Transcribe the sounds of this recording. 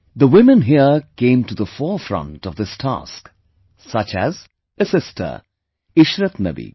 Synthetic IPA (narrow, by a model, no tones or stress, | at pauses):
d̪əwɪmə̃nɦiəkẽɪ̃mtud̪əfɔfɾʌ̰̃ntɔvd̪ɪstʰæ̰sk | sʌt͡ʃæ̰z | əsɪstʰə̰˞ | ɪʃɾət̪nʌ̰bḭ